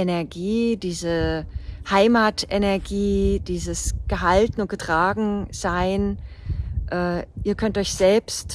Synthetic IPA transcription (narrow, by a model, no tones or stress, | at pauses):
enɛɐɡiːd̥iːzə | haɪmaːtʔenɛɐɡiːd̥iːzəsɡ̥əɦaltn̩ʊntɡ̥ətʁ̥aːɡŋ̩z̥aɪn | ʔɛːʔiːɐkʰœntʔɔʏçz̥ɛlpst